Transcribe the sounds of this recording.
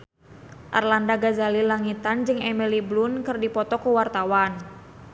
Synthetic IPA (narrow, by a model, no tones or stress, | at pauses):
ʔa̰rlandaɡazalilaŋit̪and͡ʒɨŋɛmiliblunkɨrdipɔt̪ɔkuwart̪awan